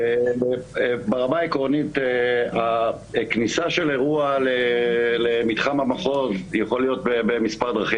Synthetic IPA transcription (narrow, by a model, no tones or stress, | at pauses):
eebeʁamaikʁo̞nit̪ea | knisaʃe̞leʁualelemit̪χamamaχo̞zjaχolijo̞t̚bebemispaʁd̪ʁaχi